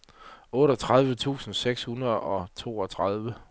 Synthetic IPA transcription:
ɔ̽ːɾɒt͡sʰʁað̞ˠʋət͡sʰṵːsn̩seɡ̥shunɐðˠɒ̽t͡sʰo̝̰ːɒ̽t͡sʰʁaðˠʋə

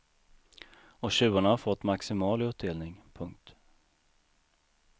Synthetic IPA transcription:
ɔɕʉ̟ːaɳahaɾfɔt̪ːmaksɪmɑːlɪɵp̚d̪eːlnɪŋpʰɵŋk̚t̪

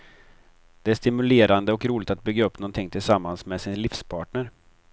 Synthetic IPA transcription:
d̪̥ɛæʂt̪ɪmɵleːɾand̪əɔkɾuːlɪɡ̚t̪at̪̚bʏɡːaɵpːnɔnt̪ʰɪŋːt̪ʰɪlsamːansmɛsɪnlɪfspʰɑːʈɳəɾ

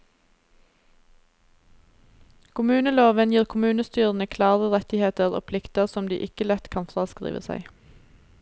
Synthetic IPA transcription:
kʰʊmʉːnəloːʋənjiːʁkʰʊmʉːnəst̪yːʁn̩əkʰlɑːʁəʁɛt̪ɪheːt̪əʁo̰ːpʰlɪkt̪əʁsɔmd̪ḭːʔɪkəlɛt̪kʰɑːnfʁɑːskʁḭːʋə̰sæ̰ɪ

